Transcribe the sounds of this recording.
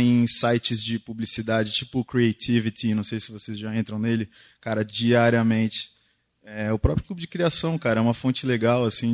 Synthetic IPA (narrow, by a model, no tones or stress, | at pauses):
ẽj̃sajt͡ʃɪzd͡ʒɪpublisid̪ad͡ʒɪt͡ʃipʊkɾiejt̪ʰivit̪ɪnɐ̃w̃sejsɪvosezʒaẽnt̪ɾɐ̃w̃nelɪ | kaɾɐd͡ʒiaɾiɐmẽnt͡ʃɪ̥ | ɛɛʊpɾɔpɾjʊklubʊd͡ʒɪkɾiasɐ̃w̃kaɾɐɛũmɐfõnt͡ʃɪleɡawɐsĩ